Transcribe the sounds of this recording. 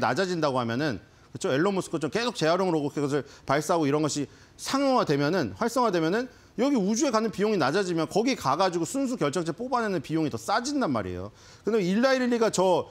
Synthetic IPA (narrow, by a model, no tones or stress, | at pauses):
na̰d͡ʑad͡ʑindaɡoɦamjʌnɯn | kɯt͡ɕʰoe̞ɭːomusʰɯ̥kʰot͡ɕomke̞sʰok̚t͡ɕe̞aɾjoŋɯɾoɡokʰeɡʌs̬ʰɯɭpaɭs͈aɡoiɾʌnɡʌɕʰi | sʰaŋʌŋadwe̞mjʌnɯnɸwaɭs͈ʌŋɦadwe̞mjʌnɯn | jʌɡiud͡ʑue̞kanɯnpijoŋinad͡ʑad͡ʑimjʌnkʌɡikaɡad͡ʑiɡosʰuns̬ʰukjʌɭt͡ɕ͈ʌŋt͡ɕʰep͈obanenɯnpijoŋitʌs͈ad͡ʑindanma̰ɾḛjo̰ | kɯndeiɭːaiɾiʎːiɡat͡ɕʌ